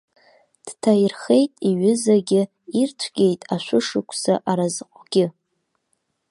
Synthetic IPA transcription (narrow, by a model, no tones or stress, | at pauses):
d̥tʰajrχe̞jtʼiɥɪzaɡʲɪ | irt͡ʃʷʰɡ̥ʲe̞jtʼaʃʷʊʂɨkʷʰsa̰ʔaɾazqʷʼɡ̥ʲɪ